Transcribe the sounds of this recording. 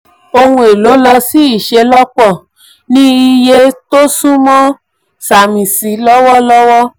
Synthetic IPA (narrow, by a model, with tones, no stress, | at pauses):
o˧hũ˧e˨lo˨˦lɔ˧si˦i˦˨ʃe˧lɔ˦k͡pɔ˦˨ | nĩ˦i˧je˦to˦sũ˦mɔ̃˦ | sa˨mĩ˨si˨˦lɔ˦wɔ˦lɔ˦wɔ˦